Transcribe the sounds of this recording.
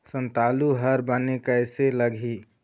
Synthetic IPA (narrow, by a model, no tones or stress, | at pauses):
sə̃nt̪aːluɦəɾbənekəɪseləɡʱi